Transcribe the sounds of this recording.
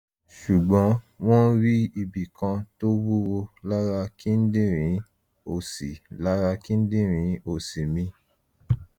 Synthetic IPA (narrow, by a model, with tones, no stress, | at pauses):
ʃu˨ɡ͡bɔ̃˨˦ | w̃ɔ̃˦ɾi˦i˧bi˨kã˧to˦wu˦wo˧la˦ɾa˧kĩ˦n̩˦dĩ˦ɾ̃ĩ˨˦ | o˨si˨la˦ɾa˧kĩ˦n̩˦dĩ˦ɾ̃ĩ˨˦o˨si˨mĩ˧